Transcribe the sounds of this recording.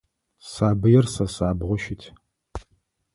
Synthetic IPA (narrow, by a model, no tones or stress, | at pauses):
saːbɨjɛrsɐsaːbʁʷʊʃɪtʰ